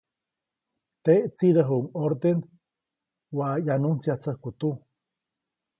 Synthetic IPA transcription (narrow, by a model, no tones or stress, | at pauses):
t̪eʔt͡sid̪əɦuŋoɾd̪en | wajanunt͡siat͡səhkut̪u